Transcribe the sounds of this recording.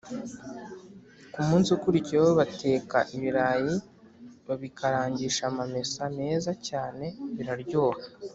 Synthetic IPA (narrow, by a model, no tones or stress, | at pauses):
kumuːnsiukuɾicieβoβate̞ːkaʔiβiɾaːji | βaβikʰaɾaːɲɟiʃamame̞sane̞ːzacaːne̞βiɾaɾɟo̞ːha